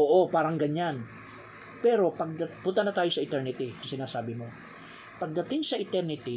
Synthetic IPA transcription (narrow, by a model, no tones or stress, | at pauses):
oːʔo̞paːɾɐŋɡɐɲan | pɛɾo̞pɐɡ̚d̪ɐpʊnt̪ɐnɐt̪aːjosɐɪt̪ɛɹnɪt̪ɪsɪnaːsaːbɪmo̞ | pɐɡ̚d̪ɐt̪ɪŋsɐʔɪt̪ɛɾnɪt̪ɪ